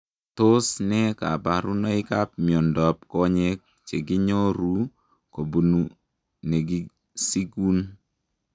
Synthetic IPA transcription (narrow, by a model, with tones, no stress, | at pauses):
to˦snɛ˦ka̰˨ba˨ɾu˦nɔ˦ɪ˦ka˦p̚mi˨o˨ndɔ˨p̚kɔ˦ɲe˦k̚ | t͡ʃe˨ɡi˦ɲo˦ɾu˦ | ko˨bu˨nu˨ | ne˨ɡi˦ | si˦ɡu˦n